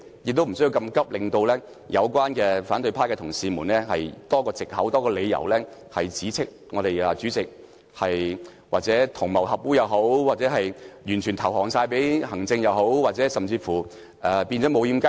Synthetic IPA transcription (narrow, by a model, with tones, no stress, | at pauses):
jɪ˨k̚t̪o˥m̩˨˩sɵ˥ji˧wkɐ˧mkɐ˥p̚lɪ˨ŋt̪o˧wlɛː˥ | jʔɐ˨˧wkʷaː˥nkɛː˧faː˨˥nt̪ɵ˧pʰaː˥kɛː˧t̪ʰʊ˨˩ŋsiː˧muː˨˩nlɛː˥hɐ˨jt̪ɔː˥kɔː˧t͡sɪ˨k̚hɐ˨˥wt̪ɔː˥kɔː˧le˨˧jjɐ̰˨˩wlɛː˥hɐ˨jt͡siː˨˥t͡sʰɪ˥k̚ŋɔː˨˧ɾe˨jɐː˨˧t͡syː˨˥t͡sɪ˨k̚ | hɐ˨j | wa̰ː˨k̚t͡sɛː˨˥t̪ʰʊ˨˩ŋmɐ˨˩whɐ˨p̚wuː˥jɐ˨˧wɦo˨˥wwaː˨k̚t͡sɛː˨˥ɦɐ˨jjyː˨˩nt͡ʃʰyː˨˩nt̪ʰɐ˨˩whɔː˨˩ŋsaː˧jpe˨˥jhɐ˨˩ŋt͡sɪ˧ŋjɐ˨˧wɦo˨˥wwaː˨˩t͡sɛː˨˥sɐ˨mt͡siː˧fuː˨˩ | ʔɛː˨˩pi˧nt͡ʃɔː˨˥mo˨˧wjiː˧mkɐ˥